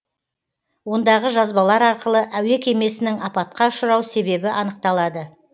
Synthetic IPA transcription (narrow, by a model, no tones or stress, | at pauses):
wo̞nd̪ɑʁəʒɑzbɑlˠɑɾɑɾqəlˠəʔæwe̞kʲʰe̞me̞sɪnɪŋɑpɑt̪̚qɑʊʃəɾɑwse̞be̞bɪʔɑnəq̚t̪ɑlˠɑd̪ə